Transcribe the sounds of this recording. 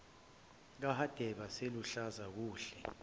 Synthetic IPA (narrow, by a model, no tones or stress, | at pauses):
k̬ahad̥ʱɛɓaseluɬazak̬uːɬɛ